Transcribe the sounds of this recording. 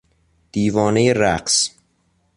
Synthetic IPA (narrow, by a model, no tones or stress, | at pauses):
d̪̥iːvɒːne̞jeɾæqs